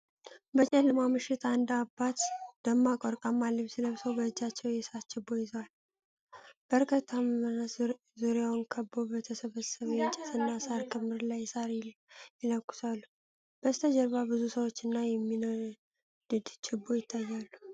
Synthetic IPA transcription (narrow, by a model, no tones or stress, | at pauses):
bət͡ʃʼɛlːɨmamɨʃɪt̪and̪abːat̪d̪əmːakʼɔɾkʼamːalːəmsɨləβsəwbəɨd͡ʒːat͡ʃːɛwjɛsat̪t͡ʃːɪbːo̞jɪzəwal | b̥əɾkʰət̪ʰːaməna | zuɾjawnkʰəbːobət̪ʰəsəβəsəβjɛnt͡ʃʼɛt̪ʰɨnːasaɾkʰɨmːɨɾlajːsaɾjɛləkʼːʊ̥salːu | b̥əst̪ʰəd͡ʒəɾβabɨzusəwo̞t͡ʃːɨnːajɛmːinoɾ | d̪̥ɨd̪t͡ʃʰɪbːo̞jɪt̪ʰːajːalːu